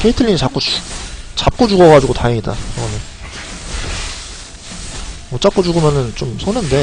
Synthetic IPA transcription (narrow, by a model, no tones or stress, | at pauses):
kʰe̞itʰɯʎːinit͡ɕap̚k͈ut͡ɕ | t͡ɕ͈ap̚k͈od͡ʑuɡʌɡad͡ʑuɡotaɦeŋida̰ʌnɯ | mʌt͡ɕ͈ap̚k͈od͡ʑuɡɯmjaʌnɯnt͡ɕomsʰonɯnde̞